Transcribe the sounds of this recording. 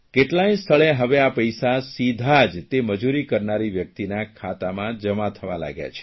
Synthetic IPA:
keʈlainst̪ʰəɭeɦəʋeapəjsasid̪ʱad͡ʒt̪eməd͡ʒuɾikəɾnaɾiʋjək̚t̪inakʰat̪amãd͡ʒəmat̪ʰəʋa̰la̰ɡja̰t͡ʃʰe̥

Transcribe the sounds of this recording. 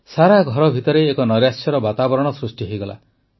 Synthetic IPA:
saɾaɡʱɔɾɔbʱit̪ɔɾeːkɔnɔɾjasjɔɾɔbat̪abɔɾɔɽ̃ɔsɾusʈiɦojɡɔla̰

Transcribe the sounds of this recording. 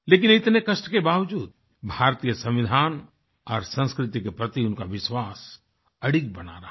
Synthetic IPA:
leːk̬ɪnɪt̪nekɐʃʈkebaːʋd͡ʒuːd̪ | bʱaːɾt̪iːjəsɐ̃mʋɪd̪ʱaːn | ɔːɾsə̃nskɾɪt̪ikepɾɐt̪iʊnkaʋɪʃwaːs | ɐɽɪk̚bɐna̰ɾɐɦ

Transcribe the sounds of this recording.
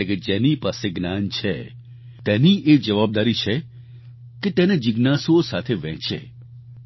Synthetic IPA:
eked͡ʒɛnipaseɡnant͡ʃʰḛ | t̪ɛniʔed͡ʒəʋab̚d̪aɾit͡ʃʰe | ket̪ened͡ʒɪɡnasosat̪ʰeʋɛ̰̃t͡ʃḛ

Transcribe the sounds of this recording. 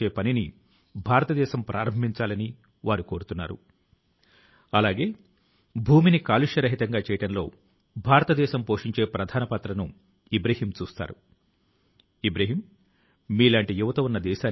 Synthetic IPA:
eːpɐnini | bʱaːɾɐt̪ɐd̪ɛːʃɐmpɾʔaːɾɐmbʱiɲt͡ʃaːlɐni | ʋaːɾuko̞ːɾut̪unːa̰ːɾṵ | ɐlaːɡe̞ː | bʱuːminikaːluʂjɐɾɐɦit̪ɐŋɡaːt͡ʃɛːjɐʈɐnlo̞̰ː | bʱaːɾɐt̪ɐd̪ɛːʃɐmpo̞ːʂiɲt͡ʃe̞ːpɾɐd̪ʱaːnɐpɐt̪ɾɐnṵ | ibɾɐɦiːmt͡ʃuːst̪a̰ːɾṵ | ibɾɐɦiːmː | iːlaːɳʈijuʋɐt̪ɐunːɐd̪ɛːʃaː

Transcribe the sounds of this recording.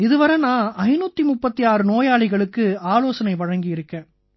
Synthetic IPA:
ɪðɯʋɐɾɐnãːʔɐɪnuːt̪ːimʊpːɐt̪ːiaːɾɯnoːjaːɭɪɣɐɭɯkːɯaːloːsɐnɐɪʋɐɻɐŋɡɪɪɾɯkːẽː

